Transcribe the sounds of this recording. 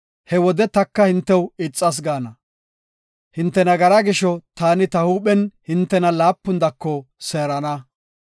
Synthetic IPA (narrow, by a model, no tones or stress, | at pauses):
hɛwɔd̪ɛt̪ɐkːɐhɪnt̪ːɛwɪt͡sʼːɐs̬ɡaːnɐ | hɪnt̪ːɛnɐɡɐɾaɡɪʃɔt̪aːnɪt̪ɐhuːpɛnhɪnt̪ːɛnɐlaːpːʊnd̪ɐkːɔseːɾɐnɐ